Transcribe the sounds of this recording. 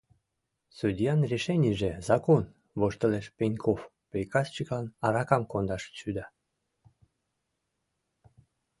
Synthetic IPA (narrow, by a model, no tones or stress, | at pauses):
sud̪ʲijɑnrʲeʃenʲiʒezɑkon | βoʃt̪ə̆leʃpenʲkʰof | pejkɑst͡ɕəklɑnɑɾɑkɑmkond̪ɑʃt͡ɕyd̪ɑ